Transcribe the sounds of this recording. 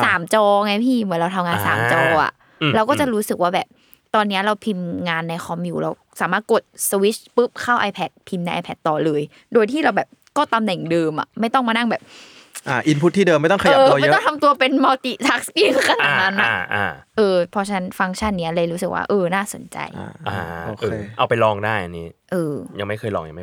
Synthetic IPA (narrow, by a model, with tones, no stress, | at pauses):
saː˩˦mt͡ɕɔː˧ŋa˦˥jpʰiː˥˩mɯ˩˦nɾa˧t̪ʰmŋaː˧nsa̰ː˩˦mt͡ɕɔː˧ʔa̰˨˩ | ɾa˧wkɔ˥˩t͡ɕa˨˩ɾuː˦˥sɯ˨˩k̚waː˥˩bɛː˨˩p̚ | t̪ɔː˧nːi˦˥ɐɾa˧wpʰi˧mŋaː˧nːa˧jxʰɔ˧mjuː˨˩ɾa˧wsaː˩˦maː˥˩t̪̚ko˨˩t̪̚swi˦˥t͡ɕ̚pɯ˦˥p̚kʰa˥˩wʔaː˧pʰɛ˦˩t̪̚pʰi˧mna˧jʔa˧pʰɛ˦˩t̪ːɔː˨˩lɤː˧j | doː˧jt̪ʰiː˥˩ɾa˧wbɛː˨˩p̚kɔː˥˩t̪a˧mnɛ˨˩ŋdɤː˧mʔa̰˨˩ma˥˩jt̪ɔ˥˩ŋmaː˧na˥˩ŋbɛː˨˩p̚ | ʔaː˧˩ʔi˧˥npʰu˦˥t̪̚ʰːiː˥˩dɤː˧mːa˥˩t̪ɔ˥˩ŋkʰa˧jəː˨˧j̪ɔ˥ŋt̪ʰa˧mt̪u˧ɐpe˧nmɔː˧t̪i˨˩t̪ʰa˦˥k̚skiː˥˩kʰa˧naːa˨˩˧na˦nːa˦˧˩ʔa̰ː˧˩ʔɤː˧pʰɔ˧t͡ɕʰa˧na˦˥nfa˧˥ŋt͡ɕʰa˥˩nːi˦˥ɐleː˧jɾu˦˥sɯ˨˩k̚wa̰ː˥˩ʔɤː˧naː˥˩so˩˦nt͡ɕa̰˧jʔaː˧˩o˨ɯ˨˩˧ʔa˧wpa˧jlɔː˧ŋdaː˥˩jʔa˧nːiː˦˥ʔɤː˧ja˧ŋma˥˩jkʰɤː˧jlɔ̰ː˧ŋja̰˨ŋma˥˩